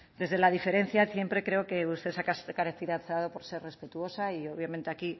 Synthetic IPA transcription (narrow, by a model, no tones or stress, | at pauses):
d̪e̞zð̞e̞lað̞ife̞ɾe̞n̟θjasje̞mpɾe̞kɾe̞oke̞ust̪e̞sakaskaɾeθiɾaθaðo̞po̞ɾse̞re̞spe̞t̪uo̞saioβjamẽnt̪eaki